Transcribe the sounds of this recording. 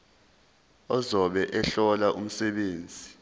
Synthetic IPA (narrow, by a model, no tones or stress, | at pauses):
ɔzɔɓɛʔɛɬɔlaʔum̩sɛɓeːnd͡zʱi